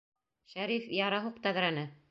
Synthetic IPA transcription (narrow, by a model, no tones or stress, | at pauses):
ʃæɾifjɑɾɑɦuq̚t̪æɣɾænɘ